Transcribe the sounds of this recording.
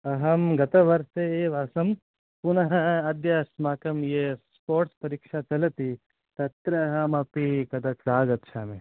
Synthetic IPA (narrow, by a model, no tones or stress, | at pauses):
ɐɦɐmɡɐt̪ɐʋɐɾseeːʋaːsɐm | pʊnɐɦɐɐd̪jɐsmaːkɐmjespoːʈspɐɾiːkʃat͡ʃɐlɐt̪i | t̪ɐt̪ɾɐɦɐmɐpikɐt̪ɐsaːɡɐt̪ʃʰaːme